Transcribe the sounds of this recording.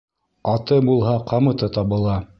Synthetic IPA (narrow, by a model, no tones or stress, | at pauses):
ɑt̪ɤbulˠɦɑqʰɑmɤ̆t̪ɤt̪ɑβɤ̆lˠɑ